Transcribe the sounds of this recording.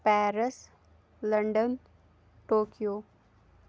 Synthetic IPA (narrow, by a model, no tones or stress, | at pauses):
pɛːɾəs | ləɳɖən | ʈoːkijoː